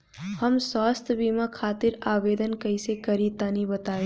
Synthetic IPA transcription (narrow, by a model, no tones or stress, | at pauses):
həmswaːst̪ʰbiːmakʰaːt̪ɪɾaːʋeːd̪ənkɐisekɐɾit̪aːnibɐt̪aːe